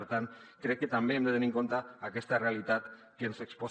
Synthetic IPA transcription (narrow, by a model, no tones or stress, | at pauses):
ɾt̪an | kɾekːet̪ambeːmd̪et̪eniŋko̞nt̪aːkest̪are̞alit̪at̪ | kensekspo